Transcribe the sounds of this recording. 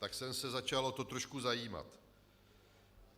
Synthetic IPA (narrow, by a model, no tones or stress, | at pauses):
t̪aksɛmsɛzat͡ʃalot̪ot̪ɾo̞ʃkuzajiːma̰t̪